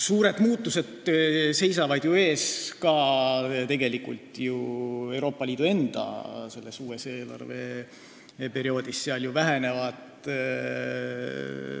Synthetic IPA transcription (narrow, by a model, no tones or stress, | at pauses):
suːɾe̞d̪muːt̪ːˑuse̞d̪̥se̞jsɑvɑd̪̥jue̞ːskɑt̪e̞ɡe̞likult̪jue̞wɾo̞ːpːˑɑliːd̪ue̞nd̪̥ɑ̰se̞lːe̞suːeseːlɑ̰rve̞̰ | pe̞ɾio̞ːd̪̥isːeɑljuvæɦene̞vɑd̪